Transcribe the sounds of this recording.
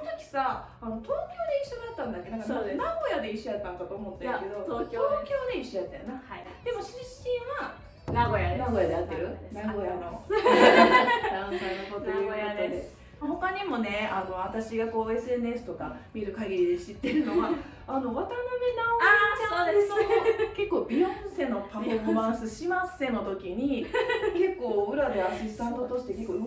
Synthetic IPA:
ont̪okʲi̥sa | ano̞t̪o̞ːkʲo̞ːd̪eiɕːo̞d̪at̪ːãnd̪akːe̞nãŋkananaɡo̞jad̪e̞iɕːojat̪ːãŋkat̪o̞ːmo̞t̪ːeke̞d̪o̞t̪t̪oːkʲo̞ːd̪e̞iɕːoj̪at̪ːãjo̰naha | d̪̥e̞mo̞ɕĩɕĩɰ̃βa | naɡojanaɡo̞jad̪eat̪ːeɾɯ̟naɡo̞jano̞ | d̪ãsainokot̪eɾiɡaat̪ːad̪e̥ | maho̞kaɲ̟imo̞ne̞ano̞βat̪aɕiɡako̞ːe̞sɨe̞nɯ̟e̞sɨ̥t̪okamʲiɾɯ̟kaɡʲiɾʲid̪e̞ɕit̪ːe̞ɾɯ̟no̞ɡa | ano̞βat̪anomʲinaoasonad̪eoke̞kːoːbʲiõse̞no̞pafomãɰ̃sɨɕimase̞no̞t̪o̞kʲiɲ̟ike̞kːo̞ːɯ̟ɾad̪e̞aɕisɨ̥t̪ãnt̪ot̪o̞ɕi̥t̪e̞ke̞kːo

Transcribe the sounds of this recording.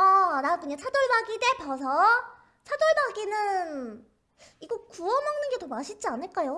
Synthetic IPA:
anakɯɲat͡ɕʰadoɭbaɡide̞pʌs̬ʰʌ | t͡ɕʰadoɭbaɡinɯn | iɡokuʌmaŋnɯnɡe̞domaɕʰid͡ʑ͈ianɯɭk͈ajo

